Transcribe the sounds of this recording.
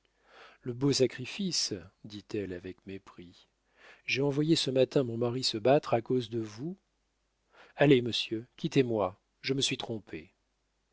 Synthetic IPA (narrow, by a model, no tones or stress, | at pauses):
ləbosakχifisd̪it̪ɛlavɛkmepχi | ʒeɑ̃vwajesəmat̪ɛ̃mɔ̃maʁisəbat̪χakozd̪əvu | aleməsjøkʲit̪emwa | ʒəməsɥit̪χɔ̃pʰe